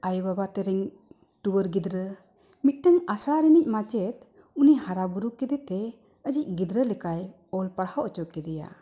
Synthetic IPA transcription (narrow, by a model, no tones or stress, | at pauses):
ajbabat̪eɾɛŋ | tubəɾɡid̪ɾə | mit̪̚təŋasɾaɾinic̚mat͡ʃet̪̚ | unihaɾabuɾukid̪et̪e | əd͡ʒic̚ɡid̪ɾəlekaj | ɔlpaɾhawʔt͡ʃɔkid̪ija̰